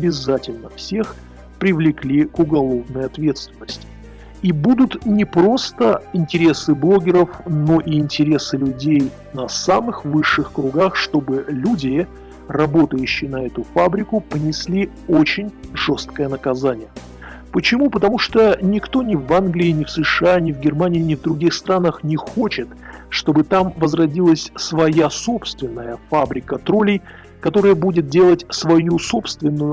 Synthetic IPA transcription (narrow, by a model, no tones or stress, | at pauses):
ɐbʲɪzatʲɪlʲnəfsʲe̞x | pɾʲɪvlʲɪklʲikʊɡɐlˠo̞vnəjɐt̪vʲe̞t̪st̪vʲɪnːəsʲtʲɪ | ibud̪ʊt̪nʲɪpɾo̞st̪əɪnʲtʲɪɾʲe̞sɨblˠo̞ɡʲɪɾəfno̞ʔiɪnʲtʲɪɾʲe̞sɨlʲʊdʲej | nɐsamɨxvɨʂːɨxkɾʊɡaxʂt̪o̞bɨlʲudʲɪ | rɐbo̞t̪əjʉɕːɪjnɐɛt̪ʊfabɾʲɪkʊpənʲɪsʲlʲi | ot͡ɕɪnʲʐo̞st̪̚kəjənəkɐzanʲɪjə | pət͡ɕɪmupət̪ɐmuʂt̪onʲɪkt̪o̞nʲɪvanɡlʲɪɪnʲɪfsɨʂɨanʲɪvɡʲɪrmanʲɪːnʲɪvd̪ɾʊɡʲixst̪ɾanəxnʲɪxo̞t͡ɕɪt̪ʂt̪o̞bɨt̪amvəzrɐdʲilˠəsʲsvɐjaso̞pst̪vʲɪnːəjəfabɾʲɪkət̪ɾolʲɪj | kɐt̪o̞ɾəjəbudʲɪt̪̚dʲe̞lˠətʲsvɐjuso̞pst̪vʲɪnːʊjʊ